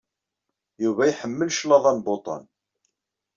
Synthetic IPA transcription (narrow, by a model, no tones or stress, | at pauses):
juvæjħəmːəlʃlɑðˤɑnbot̪ˤɑ̰n